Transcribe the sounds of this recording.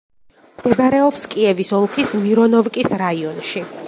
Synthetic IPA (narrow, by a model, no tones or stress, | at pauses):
md̪ɛbaɾɛɔpskʼiɛvisɔlˠχʰismiɾɔnɔvkʼisɾaiɔnʃi